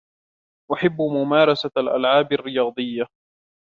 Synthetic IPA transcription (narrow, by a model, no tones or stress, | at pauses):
ʔaħɪbːmʊmaːɾˤɑsalʔa̰lʕaːbarːɪjɑːd̪ˤɨjːa